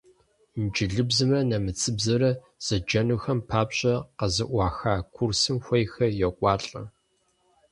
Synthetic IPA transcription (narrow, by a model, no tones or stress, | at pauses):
nd͡ʒɪɮɨbzɨmrɐnɐmɨt͡sʰɨbzɐɾɐ | z̥ɐd͡ʒɐnuxɐmpʰaːpɕʼɐqɐzɨʔʷɑːxaːkʷʰursɨmxʷɐjxɐjɛqʷʼɑːɬʼɐ̰